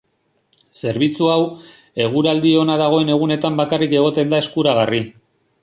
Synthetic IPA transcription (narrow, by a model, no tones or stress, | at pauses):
se̞ɾβit͡suaw | e̞ɣ̞uɾald̪io̞naðaɣ̞o̞e̞ne̞ɣ̞une̞t̪ambakarike̞ɣ̞o̞t̪e̞nd̪ae̞skuɾaɣ̞ari